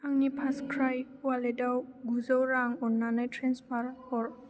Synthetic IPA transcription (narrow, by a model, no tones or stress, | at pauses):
aŋnipʰaskʰɾajwaledawɡuzawɾaŋɔnːanajtʰɾenspʰaɾhɔɾ